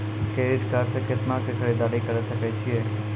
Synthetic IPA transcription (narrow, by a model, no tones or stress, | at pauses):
keɾiʈkaɾʃəkjət̪mãkekʰəɾid̪aɽikəɾəʃəket͡ʃʰie